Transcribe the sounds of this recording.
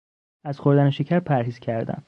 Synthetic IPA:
æzxo̞ɾd̪æneʃecʰæɾpʰæɾɦiːz̥cʰæɾd̪æ̰n

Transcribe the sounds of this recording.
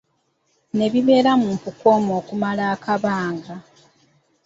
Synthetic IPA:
ne̞βiβe̞ːɾamumpuko̞ːmo̞ːkumalaːkʰaβaːŋɡa

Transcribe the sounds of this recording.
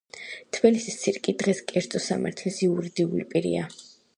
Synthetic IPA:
t̪ʰbilisist̪sʰiɾkʼid̪ʁɛskʼɛɾt̪sʼɔsa̰ma̰ɾt̪ʰlisiuɾid̪iulipʼiɾḭa

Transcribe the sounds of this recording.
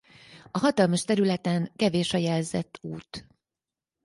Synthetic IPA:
ɒɦɒt̪ɒlmɒʃt̪ɛɾylɛt̪ɛŋkɛveːʃɒjɛlzɛt̪ːuːt̪

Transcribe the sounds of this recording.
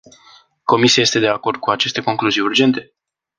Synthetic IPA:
ko̞misiaje̞st̪e̞d̪e̞ako̞rd̪̚kuat͡ʃe̞st̪e̞ko̞ŋkluzijurd͡ʒe̞nt̪e̞

